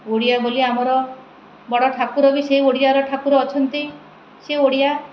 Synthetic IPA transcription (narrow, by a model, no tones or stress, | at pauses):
oɽijaboliamɔɾɔ | bɔɽɔʈʰakuɾɔbiseioɽijaɾɔʈʰakuɾɔːt͡ʃʰɔnt̪i | seoɽija